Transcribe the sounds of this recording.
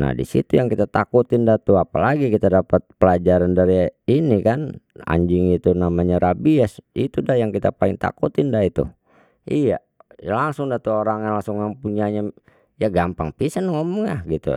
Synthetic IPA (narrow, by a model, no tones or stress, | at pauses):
na̰dḭsḭt̪ujaŋkit̪at̪akut̪ɪndat̪uapalaɡikit̪adapət̪̚pəlad͡ʒaɾandaɾiinikana̰ɲd͡ʒɪŋit̪unamaɲaɾabiasit̪udahjaŋkit̪apalɪŋt̪a̰kut̪ɪndahit̪ṵ | ija | laŋsʊŋdat̪uoɾaŋjaŋlaŋsʊŋjaŋpuɲaɲa | jaɡampaŋpisanŋomuŋahɡit̪ṵ